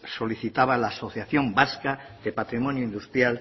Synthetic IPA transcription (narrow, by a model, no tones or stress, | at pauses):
soliθit̪aβ̞alaːso̞θjaθjo̞mbaskað̥e̞pat̪ɾimonjuind̪ust̪ɾjal